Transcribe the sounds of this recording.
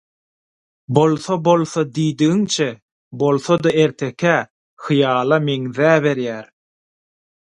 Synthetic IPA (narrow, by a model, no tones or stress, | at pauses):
bo̞lˠθobo̞lˠθod̪iːd̪iɣiŋt͡ʃʰe | bo̞lˠθod̪ɑe̞ɾt̪ʰe̞kʲʰæ | xɯjɑːlˠɑmeŋðæːβe̞ɾjæːɾ